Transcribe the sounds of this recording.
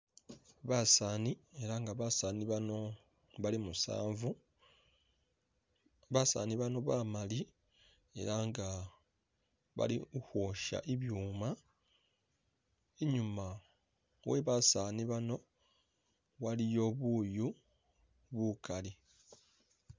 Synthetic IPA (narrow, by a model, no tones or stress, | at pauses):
βasaːnie̞ɾaŋɡaβasaːniβano̞ | βalimusa̰ːɱvu | βasa̰ːniβano̞βamali | e̞̰ɾaŋɡa | βa̰liuhwo̞ʃa̰ʔeβjuːma | eɲuma | weβasaːniβano̞ | walijo̞βuːju | βukali